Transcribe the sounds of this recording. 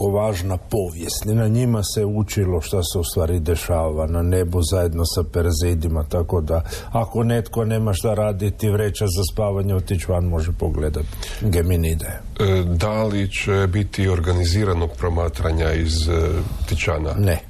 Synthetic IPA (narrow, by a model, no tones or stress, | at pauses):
oʋaːʒnapo̞ʋjesnʲinaɲimaseut͡ʃilo̞ʃt̪aseust̪ʋaːɾid̪e̞ʃaːʋanane̞buzaje̞d̪no̞sapeɾzid̪imat̪ako̞d̪a | ako̞ne̞t̪ko̞ne̞ːmaʃt̪aɾaːd̪it̪iʋɾeːt͡ʃazaspaːʋaɲeot̪it͡ʃʋanmo̞ʒepoɡled̪at̪ɡeminid̪e | d̪alit͡ʃebit̪io̞ɾɡaniziːɾanoɡpɾomaːt̪ɾaɲaizt̪it͡ʃanane